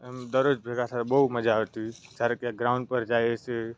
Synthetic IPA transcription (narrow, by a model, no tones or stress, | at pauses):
md̪əɾod͡ʒbʱeɡasʰat̪bəɦut̪məd͡ʒʱaɦot̪isaɾəkjaɡɾaʊ̃ɳɖpəɾd͡ʒajese